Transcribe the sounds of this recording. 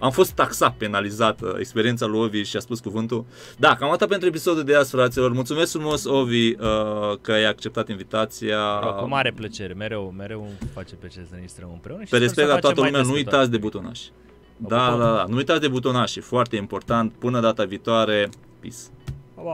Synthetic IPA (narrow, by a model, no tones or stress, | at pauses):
amfo̞st̪ːaksape̞nalizat̪ḛkspe̞ɾie̞nt̪salujo̞viʃiaspuskuvɨnt̪u | d̪akamat̪at̪̚pe̞nt̪ɾuep̬iso̞d̪ud̪easfɾat̪silo̞rmult̪sumeskfɾumo̞so̞viəkəajak̚t͡ʃe̞p̚t̪at̪invit̪at̪siamaɾeplət͡ʃeɾemeɾewmeɾewfat͡ʃeplət͡ʃeɾesəɾeist̪ɾəmɨnpɾeunpeɾesekt̪lat̪aəllumeanuujtt̪at̪s̬ʲd̪e̞but̪ona̰ʃ | d̪ad̪ad̪anuujt̪at̪ʲd̪ebut̪̬onaʃifoart̪e̞impo̞rt̪ant̪̚pɨnəd̪at̪aviːt̪oaɾe̞ | pis